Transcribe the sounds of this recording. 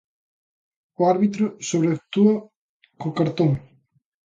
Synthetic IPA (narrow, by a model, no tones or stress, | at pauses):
ʊaɾβit̪ɾʊsoβɾeak̚t̪uɐ | kokaɾt̪oŋ